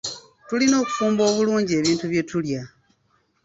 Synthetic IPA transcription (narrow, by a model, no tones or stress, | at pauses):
tulino̞ːku̥fuːmbo̞ːβuluːɲɟie̞βiːntuβje̞tulja